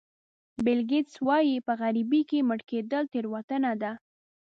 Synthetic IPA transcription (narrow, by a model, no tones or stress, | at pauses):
bɪlɡɪt̪swɑjipəɣaɾibikeməʈked̪əlt̪eɾwat̪ənad̪a